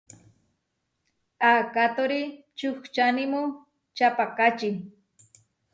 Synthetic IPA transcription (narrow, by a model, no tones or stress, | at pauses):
akat̪oɾi | t͡ʃʊxt͡ʃanɪmʊ | t͡ʃapakat͡ʃi